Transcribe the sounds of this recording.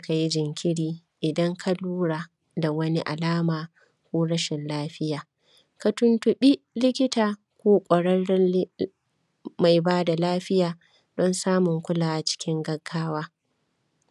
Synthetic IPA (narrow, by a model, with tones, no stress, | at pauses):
a˦ka˨ji˦d͡ʒɪ˨ŋkʲʰɪ˦ɽiː˨ | ʔɪ˨dɐ˦ŋkʰa˦luː˦ɽaː˨ | da˨wɐ˦ni˦ʔa̰˨laː˦maː˨ | kʷoː˦ɽɐ˦ʃɪ˨nlaː˦ɸɪ˦jaː˨ | ka˨tʊ˦ntʊ˨ɓi˦ | lɪ˦kʲɪ˦taː˨ | kʷoː˦kʷʼɐ˨ɽɐ˦n˦ | ma˨jbaː˦da˨laː˦ɸɪ˦jaː˨ | d̥ɔ˦nsaː˦mʊ˨ŋkʷʊ˦laː˨wa˦t͡ʃɪ̥˦kʲɪ˦ŋɡɐ˨ɡːaː˦waː˦